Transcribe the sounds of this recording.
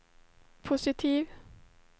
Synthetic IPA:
pʰʊsɪt̪ʰiːʋ

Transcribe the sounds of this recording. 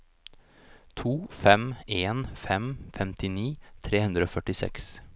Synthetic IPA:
t̪ʰuːfɛmeːnfɛmfɛmt̪ʰɪniːt̪ʰɾeːhʉnd̪ɾəoːfœʈɪsɛ̰ks

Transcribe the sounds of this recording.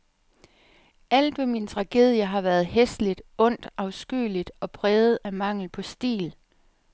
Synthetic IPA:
æl̰d̥ʋemint͡sʰʁɑ̈ɡ̥e̝̰ːð̞ˠjəɦɑ̈ʋæɐð̞̩ˠɦesd̥lid̥ɔ̽n̰d̥ʔɑ̈ʊsɡ̥y̰ːlid̥ɒ̽pʰʁɛːð̩ˠæmɑ̈ŋ̰l̩pʰɒ̽sd̥ḭːl

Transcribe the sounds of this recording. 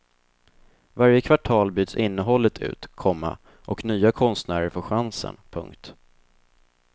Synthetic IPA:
vaɾjəkʰvaʈʰɑːlbyːd̪sɪnːəɦɔlːət̪ʰʉ̟̰ːt̪kʰɔmːa̰ | ʔɔknyːakʰɔnst̪næːɾəɾfoːɧansə̰npʰɵ̰ŋkt̪

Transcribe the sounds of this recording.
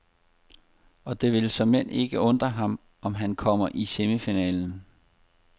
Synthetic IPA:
ɒ̽d̥e̝ʋe̝lsɒ̽mːen̰ʔe̝ɡ̥əɔ̽nd̥ʁɐɦɑ̈m | ɒ̽mɦænkʰɒ̽m̰ɐʔisemifinɛ̰ːln̩

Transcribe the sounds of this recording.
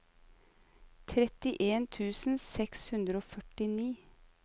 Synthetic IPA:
t̪ʰɾɛt̪ɪʔeːnt̪ʰʉːsn̩sɛkshʉnd̪ɾəoːfœʈɪniː

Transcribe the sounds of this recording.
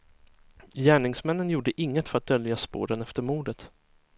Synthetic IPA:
jæːɳɪŋsmɛnːənjuːɖəʔɪŋːət̪fœɾat̪̚d̪œljaspo̰ːɾənɛft̪əɾmuːɖət̪

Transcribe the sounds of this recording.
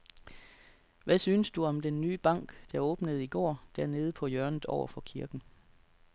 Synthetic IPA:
ʋæsyːnəsd̥uɒ̽md̥enːy̰ːb̥ɑ̈ŋ̰ɡ̥d̥æ̈ɔ̽ːb̥nəð̞̩ˠiɡ̥ɒ̰ːd̥æɐne̝ːð̞̩ˠəpʰɒ̽jœɐnð̩ˠɒʊ̰ɐfɒ̽kʰiɐɡ̥n̩

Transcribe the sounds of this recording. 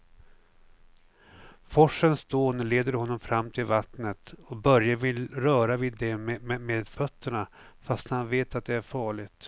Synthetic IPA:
fɔʂːənsd̪oːnleːd̪əɾhɔnːɔmfɾamːt̪ʰɪlvat̪nət̪ɔbœɾjavɪlɾœːɾavɪd̪ːɛmmemeːd̪fœt̪ːəɳa | fast̪hanveːt̪at̪̚d̪ɛæɾfɑːɭɪɡt̪

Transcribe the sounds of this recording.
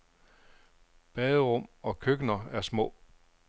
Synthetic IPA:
b̥ɛːðˠəʁɔm̰ɒ̽kʰøɡ̥nɐæɐsmɔ̰̽ː

